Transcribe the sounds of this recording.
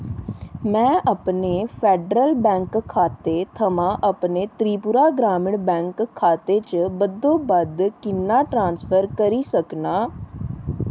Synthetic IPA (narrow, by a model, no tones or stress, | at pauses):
mɛ̃ːʔəpneːpʰɛːɖɾəlbɛ̃ːŋkkʰːaːt̪eːt̪ʰəmãːʔəpneːt̪ɾiːpʊɾaːɡɾaːmɪɳbɛ̃ːŋkkʰːaːt̪eːt͡ʃəbəd̪õːbəd̪kɪnːaːʈɾãːnspʰəɾkəɾiːsəknaː